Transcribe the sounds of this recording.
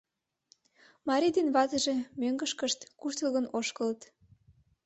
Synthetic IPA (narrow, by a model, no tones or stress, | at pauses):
mɑɾʲid̪enβɑzə̆ʒĕmøŋɡəʃkəʃt̪kuʃt̪əlɣənoʃkəlt̪